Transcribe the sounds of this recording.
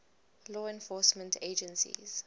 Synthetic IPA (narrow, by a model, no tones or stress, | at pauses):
lɔːɛ̃nfɔsmɛ̃ntʰed͡ʒə̃nsḭz̥